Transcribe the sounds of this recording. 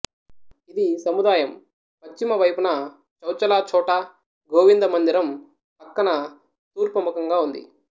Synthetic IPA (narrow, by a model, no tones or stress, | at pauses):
id̪isɐmud̪aːjɐm | pɐt͡ʃːimɐʋɐjpunɐ | t͡ʃɐwt͡ʃɐlaːt͡ʃɔːʈɐ | ɡoːʋind̪ɐmɐnd̪iɾɐm | pɐkːɐnɐ | t̪uːɾpɐmukɐŋɡaːund̪ḭ